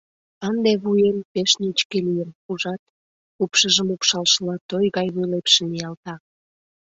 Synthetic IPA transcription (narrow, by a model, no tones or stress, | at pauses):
ɑnd̪eβujempeʃnit͡ɕkelijənuʒɑt̪ | upʃəʒəmupʃɑlʃəlɑt̪ojɣɑjβujlepʃemijɑlt̪ɑ